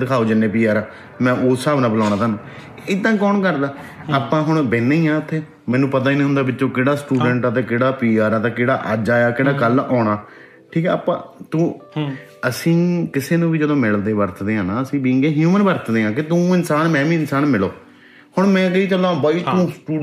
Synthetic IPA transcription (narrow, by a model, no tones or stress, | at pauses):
d̪ɪkʰaːoːd͡ʒɪnːẽːpiːaːɾaː | mɛ̃ːʔoːsːaːbnãːbəlaːñaːt̪aːnũː | ɪd̪ːãːkɔːnkəɾd̪aː | aːpãːɦʊɽbeːnːeĩːãːɪt̪ʰːeː | mɛ̃ːnũːpət̪̬aːiːnĩːɦʊ̃nd̪aːbɪt͡ʃːʃõːkeːɽaːsʈuːɖəɳʈat̪ẽːkeːɽaːpiːaːɾaːt̪ẽːkeːɽaːʔəd͡ʒaːjaːkeːɽaːkəlɔːɳaː | ʈʰiːkɛːa̰ːpã̰ːt̪ũː | əsĩːkɪseːnũːʋiːd͡ʒəd̪õːmɪld̪eːbəɾt̪ʰd̪eːɦãːnaːəsĩːbĩŋɡeːɦjuːmənbəɾt̪ʰd̪eːãːk̬ɪt̪ũːɪnsaːnmɛ̃ːʋĩːɪnsaːnmɪloː | hʊɳmɛ̃ːkəiːt͡ʃəlːãːõːbaːiːt̪ũːsʈuː